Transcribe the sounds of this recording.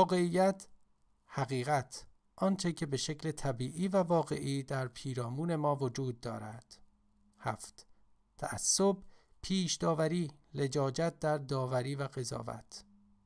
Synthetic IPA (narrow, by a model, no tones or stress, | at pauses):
ɒːɣe̞ijːæt̪ʰ | hæɣiːɣæt̪ʰ | ʔɒːnt͡ʃʰe̞cʰe̞be̞ʃe̞clet̪ʰæbiːʔiːvævɒːɣe̞ʔiːd̪æɾpʰiːɾɒːmuːne̞mɒːvod͡ʒuːd̪̚ːɒ̰ːɾæd̪̥ | hæft̪ | t̪ʰæʔæ̰sːob̚pʰiːʃd̪ɒːvæɾiːle̞d͡ʒɒːd͡ʒæt̪̚d̪æɾd̪ɒːvæɾiːvæɣe̞zɒ̰ːvæ̰t̪ʰ